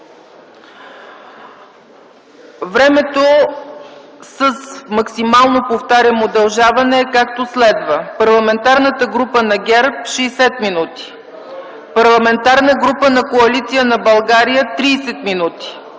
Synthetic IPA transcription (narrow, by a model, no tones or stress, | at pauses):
vɾɛmɛt̪o | səsmɐksimalˠnopoft̪aɾʲɐmod̪ɐlˠʒavɐnɛːkak̚t̪oslɛd̪vəpɐɾlˠɐmɛnt̪aɾnət̪əɡɾupənɐɡʲɛɾpʃɛsɛt̪minut̪i̥ | pɐɾlˠɐmɛnt̪aɾnəɡɾupənɐkoɐlit̪sijənɐbɐlˠɡaɾijət̪ɾiːsɛt̪minut̪i̥